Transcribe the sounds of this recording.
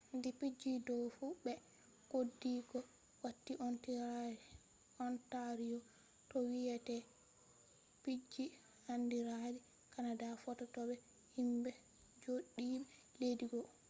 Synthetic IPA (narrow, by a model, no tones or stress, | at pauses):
ndipid͡ʒidɔwfuɓɛ | kodːiɡɔ | watːiʔɔntiɾad͡ʒi | ɔntaɾijɔ | tɔwijɛtɛ | pid͡ʒːi | handiɾaɾi | kanadafɔtɔtɔɓɛ | himbɛ | d͡ʒoɗiɓɛlediɡɔ